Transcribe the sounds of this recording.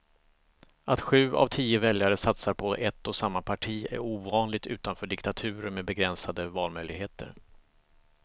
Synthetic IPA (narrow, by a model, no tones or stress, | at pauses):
ʔat̪ɧʉ̟ːʔa̰vt̪ʰiːəvɛljaɾəsat̪saɾpʰɔʔɛt̪ːɔsamːapʰaʈʰiːæ̰ɾuːvɑːnlɪɡ̚t̪ʉ̟ːt̪anfœːɖɪkt̪at̪ʰʉ̟ːɾəmɛbɛɡɾɛnsad̪əvɑːlmœjlɪɡɦeːt̪ʰə̰ɾ